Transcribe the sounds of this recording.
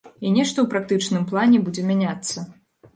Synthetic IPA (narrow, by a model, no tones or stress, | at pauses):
inʲɛʂt̪ɔwpɾakt̪ɨt͡ʂnɨmplˠanʲɛbud͡zʲɛmʲanʲat̪sːɐ